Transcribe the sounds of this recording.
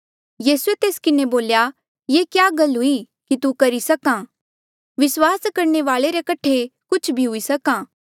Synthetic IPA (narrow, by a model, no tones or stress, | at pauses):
jiːsuet̪eːskɪneboːlja | jekjaɡɐlɦʊi | kit̪ukɐɾisɐkãː | ʋɪswaːskɐɾɳeʋaːɭeɾekɐʈʰekʊt͡ʃʰbʱiɦʊisɐkãː